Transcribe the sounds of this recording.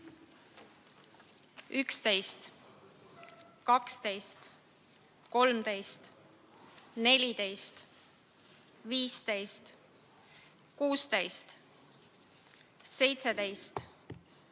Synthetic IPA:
ykst̪e̞jst̪ | kɑkst̪e̞jst̪ | ko̞lmt̪e̞jst̪ | ne̞lʲit̪e̞jst̪ | viːst̪e̞jst̪ | kuːst̪e̞jst̪ | se̞jt̪se̞t̪e̞jst̪

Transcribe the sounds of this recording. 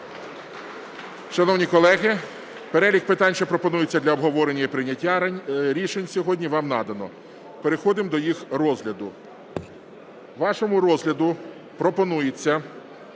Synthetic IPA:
ʃɐnɔwnʲikɔlˠɛɦɪ | peɾɛlʲixpɪt̪ɑnʲʃɛpɾɔpɔnujet͡sʲːɐd̪lʲɐɔbɦɔʋɔɾenʲːɐipɾɪnʲːɐtʲːaɾʲiʃenʲsʲɔɦɔdʲnʲiʋɑmnɑd̪ɐnɔ̰ | peɾexɔd̪ɪmd̪ɔjixrɔzɦlʲɐd̪ʊ | ʋɑʃɔmʊɾɔzlʲɐd̪ʊ | pɾɔpɔnujet͡sʲːɐ

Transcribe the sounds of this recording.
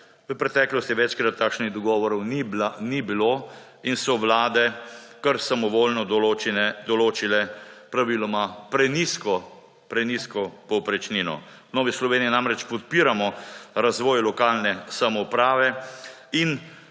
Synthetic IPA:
ʋəpɾɛt̪ɛklɔst̪iʋɛt͡ʃkɾat̪ʰːaːkʃniɣd̪ɔɡɔːʋɔɾɔwnibanibilo | insɔʋlaːd̪ɛ | kəɾsamɔʋoːlnɔd̪ɔlot͡ʃinɛd̪ɔloːt͡ʃilɛpɾaʋiːlɔmapɾɛniskɔ | pɾɛniskɔpɔwpɾɛt͡ʃninɔ̰ | nɔːʋislɔʋeːnijinamɾɛt͡ʃpɔt̪̚piːɾamɔɾazʋɔːjlɔkaːlnɛsamɔupɾaːʋɛ | in

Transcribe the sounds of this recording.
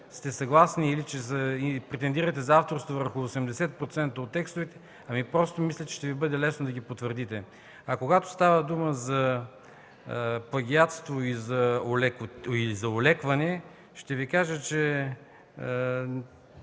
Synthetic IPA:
st̪ɛsɐɡlˠasniːlit͡ʃɛzɐipɾɛt̪ɛnd̪iɾɐt̪ɛzaft̪oɾst̪ovəɾxʊosɛmd̪ɛsɛt̪̚pɾot̪sɛnt̪əot̪ːɛkst̪ovɛt̪ɛ̥ | ɐmipɾɔst̪omislʲɐt̪t͡ʃɛ̥ʃt̪ɛvibɤd̪ɛlɛsnod̪ɐɡʲipot̪vəɾd̪it̪ɛ | ɐkoɡat̪o̥st̪avəd̪uməzɐ | pˠɐɡʲiat̪st̪voizɐolkilizɐolɛkvɐnɛ | ʃt̪ɛvikaʒət͡ʃɛ

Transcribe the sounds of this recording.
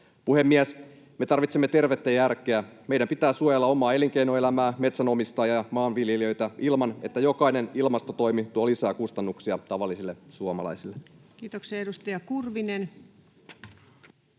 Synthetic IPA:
puhe̞mːiæs | me̞t̪ɑrʋit̪semːet̪e̞rʋet̪ːejærkˑeæmejdæmpit̪æːsuojɑlːɑo̞mɑːe̞liŋk̟ejnoe̞læmæːme̞t̪sæno̞mist̪ɑːjɑjɑmɑːnʋiljeliø̞jt̪æilmɑne̞t̪ːæjo̞kɑine̞nilmɑst̪ot̪o̞jmit̪uɑlisæːkust̪ɑnːuksiɑt̪ɑʋɑlːisilːesuomɑ̰lɑ̰isilːe | kiːt̪okseedust̪ɑjɑkurʋinen

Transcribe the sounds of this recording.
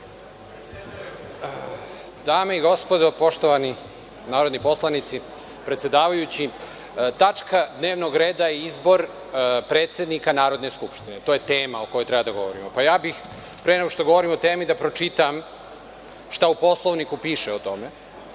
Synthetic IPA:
d̪aːmeiɡo̞spo̞d̪opo̞ʃt̪oʋani | naːɾo̞d̪nipo̞slˠanit̪si | pɾet̪sje̞d̪aːʋajut͡ɕi | t̪at͡ʃkad̪ne̞ːʋno̞ɡɾe̞ːd̪aeizbo̞ɾ | pɾe̞ːt̪sje̞d̪nikanaːɾo̞d̪ne̞skupʃt̪ine̞t̪oːje̞t̪eːmaokojot̪ɾɛbad̪aɡo̞ʋo̞ɾḭmopajaːbix | pɾeneɡoʃt̪oɡo̞ʋo̞ɾimot̪eːmid̪apɾo̞t͡ʃit̪am | ʃt̪aupo̞slˠo̞ʋnikupiːʃeot̪o̞me̞

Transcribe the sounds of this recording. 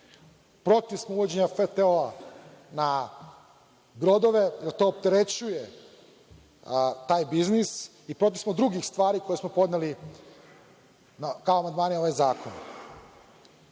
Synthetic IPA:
pɾo̞t̪iʋsmouʋod͡ʑeɲafet̪eoana | bɾod̪o̞ʋe̞eɾt̪o̞ːp̚t̪eɾe̞t͡ɕuje | t̪aːjbiznis | ipɾo̞t̪̬iʋsmod̪ɾuɡixst̪ʋaːɾiko̞jesmopo̞d̪neli | nakaoamand̪maːnio̞ʋajzaːkʰo̞n

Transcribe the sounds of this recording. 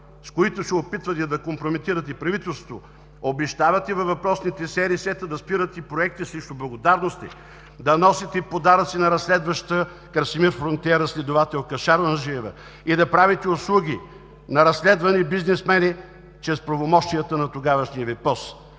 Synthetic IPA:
skoit̪ʊsɛopit̪vɐt̪ɛd̪ɐkompɾomit̪iɾət̪̬ɛpɾɐvit̪ɛlˠsvot̪o | obɛʃt̪avɐt̪ɛvɐvɐpɾɔsnit̪ɛsɛɾisɛt̪əd̪ɐspiɾət̪ipɾoɛk̚t̪isɾɛʃt̪ʊblˠɐɡod̪aɾnost̪ḭ | d̪ɐnɔsit̪ɛpod̪aɾət̪sinɐɾɐsːlɛd̪vɐʃt̪ə | kɐɾsimiɾfɾont̪ʲɛɾəslʲɛd̪ʊvat̪ɛlˠkɐʃaɾɐnɐʒiɛvɐ̰ | id̪ɐpɾavit̪ɛoslˠuɡʲi | nɐɾɐsːlɛd̪vɐnibiznɛsmɛni | t͡ʃɾɛspɾɐvomɔʃt̪ijət̪ənɐt̪oɡavɐʃniɐvɛpɾɔs

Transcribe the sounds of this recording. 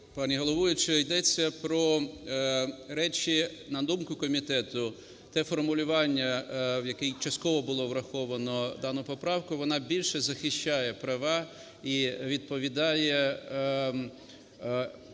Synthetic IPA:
pɑnʲiɦɔlˠɔʋujʊt͡ʃɛjd̪ɛt͡sʲːɐpɾɔ | ɾɛt͡ʃʲinɐd̪umkʊkɔmʲit̪ɛt̪ʊ | t̪ɛfɔrmʊlʲʊʋɑnʲːɐʋjɐkɛjt͡ʃɐst̪kɔʋɔbʊlˠɔʋɾɐxɔʋɐnɔd̪ɑnʊpɔpɾɑwkʊʋɔnɑbʲilʲʃɛzɐxɪʃʲt͡ʃɑjɛpɾɐʋɑ | iʋʲid̪̚pɔʋʲid̪ɑjɛ

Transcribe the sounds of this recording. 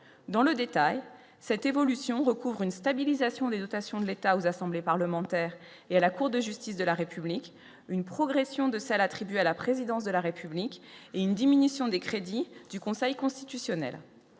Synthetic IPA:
d̪ɑ̃ləd̪et̪aj | sɛt̪evɔlysjɔ̃ʁəkuvʁynst̪abilizasjɔ̃d̪ed̪ɔt̪asjɔ̃d̪əlet̪aozasɑ̃blepaʁləmɑ̃t̪ɛːʁ | ealakuʁd̪əʒyst̪isd̪əlaʁepyblikʲ | ynpχɔɡʁesjɔ̃d̪əsɛlat̪χibɥalapχezid̪ɑ̃s̬d̪əlaʁepʰyblikʲeynd̪iminysjɔ̃d̪ekχed̪id̪̥ykɔ̃sɛjkɔ̃st̪it̪ysjɔnɛ̰l

